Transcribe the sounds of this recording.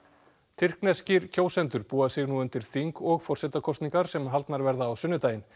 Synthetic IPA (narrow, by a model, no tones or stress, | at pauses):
t̪ʰɪr̥knɛscɪɾcʰoːwsɛnt̪ʏɾpuːasɪɣnuːʏnt̪ɪɾ̥θiŋkɔɣfɔr̥sɛt̪akʰɔst̪niŋkaɾ̥sɛmɦalt̪naɾvɛɾðaːwsʏnːʏt̪aːjɪn